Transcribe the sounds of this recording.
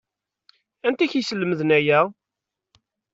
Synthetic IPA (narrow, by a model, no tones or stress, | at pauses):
ænt̪æçisəlːəməðənæjæ